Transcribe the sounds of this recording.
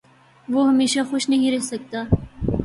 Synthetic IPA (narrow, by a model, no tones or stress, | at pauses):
ʋoɦɐmeːʃaxʊʃnɐɦĩɾɛɦsɐk̚t̪aː